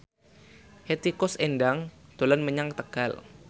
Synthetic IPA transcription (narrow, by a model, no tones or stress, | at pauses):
het̪ikʊsendaŋd̪̥olanməɲaŋt̪əɡ̥al